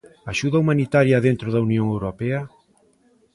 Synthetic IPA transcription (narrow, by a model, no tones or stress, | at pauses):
aʃuðɐumanit̪aɾjɐðent̪ɾoðɐunjoŋewɾopɛɐ